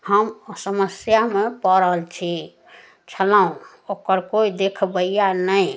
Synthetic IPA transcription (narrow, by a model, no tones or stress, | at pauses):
həmsəməsjamepəɾəɦəlt͡ʃʰi | t͡ʃʰəlaũ | okəɾkoid̪ekʰbəijanəĩ